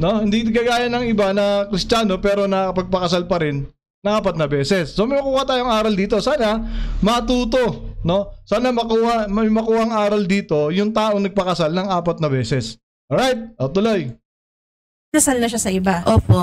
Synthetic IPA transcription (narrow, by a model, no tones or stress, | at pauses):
no̞hɪnd̪iɡaːɡaːjɐnɐŋɪbanɐkɾɪst͡ʃaːno̞pɛːɾo̞nɐɐpɐɡ̚pɐkɐsalpɐɾɪnː | ɐŋʔaːpɐt̪̚nɐbɛːsɛsːo̞mɐjmɐkuːhɐt̪aːjoŋaːɾɐld̪iːt̪o̞saːnɐmɐt̪uːt̪o̞no̞saːnɐmɐkuːhɐmɐmɐkuːhɐŋʔaːɾɐld̪iːt̪o̞jʊŋt̪aːʔo̞ŋnɐɡ̚pɐkɐsalnɐŋʔaːpɐt̪̚nɐbɛːsɛs | ʔoɹajt̪̚ot̪ʊloj | kɐsalnɐʃasɐɪbaʔoːpo